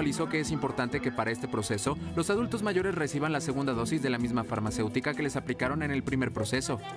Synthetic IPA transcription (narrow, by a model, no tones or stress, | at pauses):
aliso̞ke̞esimpo̞ɾt̪ant̪e̞ke̞paɾae̞st̪e̞pɾo̞se̞so̞lo̞sað̞ult̪o̞zmaʝo̞ɾe̞sre̞siβ̞anlase̞ɣ̞ũnd̪aðo̞sizðe̞lamizmafaɾmase̞wt̪ikake̞le̞saplikaɾo̞ne̞ne̞lpɾime̞ɾpɾo̞se̞so̞